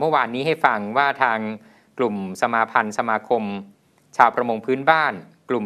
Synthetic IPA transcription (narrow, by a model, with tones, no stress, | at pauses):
mɯ˥˩waː˧nːiː˦˥ɦa˥˩jfa˧ŋwaː˥˩t̪ʰaː˧ŋ | klu˨˩msa˧maː˧pʰa˧nsa˧maː˧kʰo˧m | t͡ɕʰaː˧wpʰɾa˧mo˧ŋpʰɯː˦˥nbaː˥˩n | klu˨˩m